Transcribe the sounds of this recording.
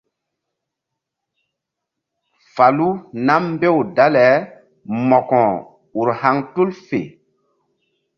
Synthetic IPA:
fa˨lu˦na˦m˦be˦wda˦lɛ˨˦ | mɔ˨kɔ̃˨ | u˨ɾha˦ŋtu˦lfḛ˨

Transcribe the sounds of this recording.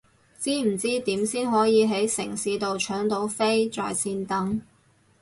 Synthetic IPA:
t͡siː˥m̩˨˩t͡siː˥t̪iː˨˥msiː˥nɦɔː˨˥jiː˨˧ɦe˨˥jsɪ̰˨˩ŋsiː˨˥t̪o˨wt͡ʃʰœː˨˥ŋt̪o˨˥wfe˥jt͡sɔ̰ː˨jsiː˧nt̪ɐ˨˥ŋ

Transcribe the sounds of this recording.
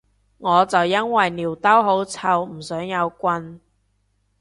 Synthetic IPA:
ŋɔː˨˧t͡sɐ˨wjɐ˥nwɐ˨jniː˨˩wt̪ɐ˥wɦo˨˥wt͡sʰɐ˧wm̩˨˩sœː˨˥ŋjɐ˨˧wkʷɐ˧n

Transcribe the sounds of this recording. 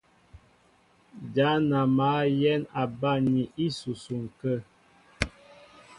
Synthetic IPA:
d͡ʒa˨˦na˨ma˨˦jɛ˦na˨ba˦ɲi˨ʔi˦su˨su˨ŋ˨kə˦˨

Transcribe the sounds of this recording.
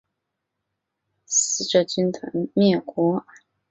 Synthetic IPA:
s̩˧˥ʈ͡ʂɤ˥˩t͡ɕy˥nt̪ʰə̰˧˥ŋmjɛ˥˩kwɔ˧˥

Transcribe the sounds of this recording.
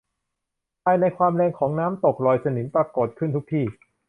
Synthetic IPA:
pʰaː˧jna˧jkʰwaː˧mlɛː˧ŋkʰɔː˩˦ŋnaː˦˥mt̪o˨˩k̚lɔː˨˩jsa˧ni˩˦npa˧koː˨˩t̪̚kʰɯ˥˩nt̪u˦˥k̚t̪ʰiː˥˩

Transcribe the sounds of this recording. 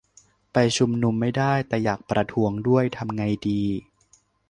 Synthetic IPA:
pa˧jt͡ɕʰu˧mnu˧mːa˥˩jdaː˥˩jt̪ɛː˨˩jaː˨˩k̚pɾa˧t̪ʰu˧˥əŋdu˥˩əjt̪ʰa˧mŋa˧jdiː˧

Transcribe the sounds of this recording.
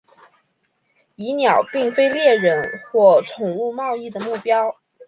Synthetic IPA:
i˧˥njɑ˨˩ʊpi˥˩ŋfe˥ɪljɛ˥˩ɻə˧˥nxwɔ˥˩ʈ͡ʂʰʊ˨˩ŋu˥˧mɑ˥˧ʊi˥˩d̪ə˩mu˥˩pjɑ˥ʊ

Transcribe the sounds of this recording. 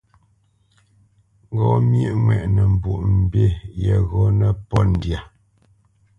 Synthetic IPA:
ŋ˦ɡɔ˨mje˦ʔŋwɛ˨ʔnə˨m̩˨bu˨ʔm̩˨be˦˨jɛ˨ɣɔ˦nə˦pɔ˦n̩˨dja˨

